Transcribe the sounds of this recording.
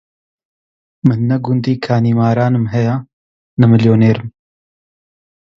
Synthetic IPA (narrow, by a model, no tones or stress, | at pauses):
mɨnːɐɡund̪iːkʰaːniːmaːɾaːnɨmɦɐjaː | nɐmɨljoːneːɾɨm